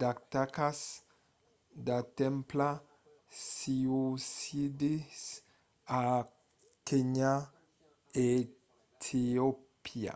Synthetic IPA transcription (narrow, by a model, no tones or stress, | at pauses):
d̪akt̪akas | d̪at̪ɛ̃mpla | siusid̪is | a | keɲa | e | t̪ʰiopʰia̰